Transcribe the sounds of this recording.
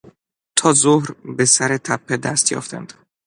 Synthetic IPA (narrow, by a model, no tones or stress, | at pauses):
t̪ʰɒːzohɾbe̞sæɾet̪ʰæpʰːed̪æst̪jɒ̰ːft̪ʰæ̰nd̪̥